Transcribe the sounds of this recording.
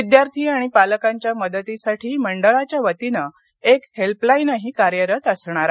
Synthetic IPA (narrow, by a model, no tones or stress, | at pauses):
id̪jaɾt̪ʰiːaɽ̃ipaləkaɲt͡ɕjaməd̪ət̪isaʈʰiːməɳɖəɭat͡ɕjaʋət̪inə | ekhelplainaɦiːkaɾjəɾət̪əsɳ̃aɾa